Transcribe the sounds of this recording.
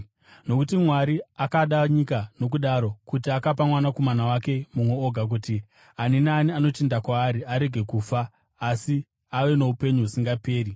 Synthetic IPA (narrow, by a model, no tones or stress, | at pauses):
no̞kutimwaɾiakaɗaɲikano̞k̬uɗaɾo̞kutiakapamwanako̞manawake̞mumwe̞oɡʱak̬uːti | aninaːniano̞tendakwaːɾiaɾe̞ɡʱe̞kuːfaː | si | aʋe̞no̞upe̞ɲuɦusiŋɡape̞ːɾi